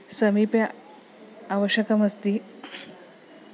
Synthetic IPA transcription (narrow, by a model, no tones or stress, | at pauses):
səmipja | aʋəɕjɐkəməst̪iː